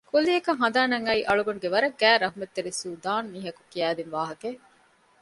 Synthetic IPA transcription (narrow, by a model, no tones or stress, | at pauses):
kuliɐkɐŋɦɐnd̪aːnɐŋɐiʔɐɭuɡɐnuɡeʋɐɾɐɡæːɾɐɦumet̪ːeɾisuːd̪aːnmiːɦɐku̥kiæːd̪inʋaːɦɐke